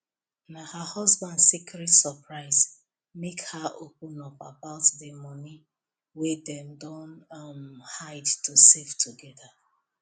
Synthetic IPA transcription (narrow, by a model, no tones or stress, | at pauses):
nahahɔzbãndsikɹɛtsəpɹaɪz | mekhaʔopũnɔpa̰baʊtdemɔni | wedɛ̃mdɔ̃nmhaɪdtusevtʰuɡɛda